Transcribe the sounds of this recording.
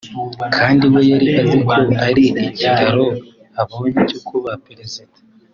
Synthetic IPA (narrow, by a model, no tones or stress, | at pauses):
kʰaːndiwejaɾiʔazikʰoʔaɾiʔecitʰaɾo̞ | aβoɲecokʰuβapɾezite